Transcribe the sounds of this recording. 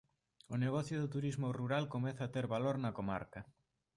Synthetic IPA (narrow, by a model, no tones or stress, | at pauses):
ʊneɣ̞ɔθjʊðʊt̪uɾizmʊruɾalkomɛθɐːt̪eɾβaloɾnɐkoma̰ɾkɐ